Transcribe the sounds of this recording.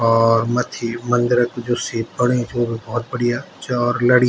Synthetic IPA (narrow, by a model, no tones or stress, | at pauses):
ɔːɾmɐt̪ʰimɐ̃nd̪ɪɾəkd͡ʒʊsipɐɽ̃ed͡ʒoːbʱibɔːʊt̪̚bɐɽija | t͡ʃɔːɾlɐɽ